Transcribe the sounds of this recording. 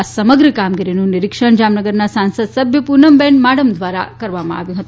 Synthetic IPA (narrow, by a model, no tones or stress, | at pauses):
asəməɡɾəkamɡiɾinũniɾikʂəɳd͡ʒamnəɡəɾnasansəd̪səbʱjəpuɾnəmbɛɳmaɽəmd̪ʋaɾa̰kəɾʋamã̰ʔa̰ʋjũɦət̪u